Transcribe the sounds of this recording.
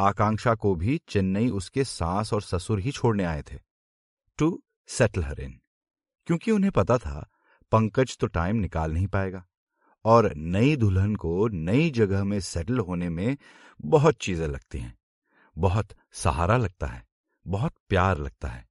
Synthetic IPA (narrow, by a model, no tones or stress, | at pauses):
aːkãːŋʃakobʱit͡ʃɐnːəiʔʊskesãːsɔːɾsɐsʊɾɦit͡ʃʰoːɽneaːet̪ʰeː | ʈu | sɛʈəlɦɐɾḛn | kjõːkiʊnɦẽpɐt̪at̪ʰa̰ | pɐ̃ŋkəd͡ʒt̪oʈaːɪmnɪkaːlnɐɦĩpaːeːɡaː | ɔːɾnɐid̪ʱʊlɦənkonɐid͡ʒɐɡəɦmẽsɛːʈəlɦoːnemẽ | bɐɦʊt̪̚t͡ʃiːzẽlɐɡ̚t̪iɦɛ̰̃ː | bɐɦʊt̪ | sɐɦa̰ːɾalɐɡ̚t̪a̰ɦɛː | bɐɦʊt̪̚pjaːɾlɐɡ̚t̪a̰ɦɛː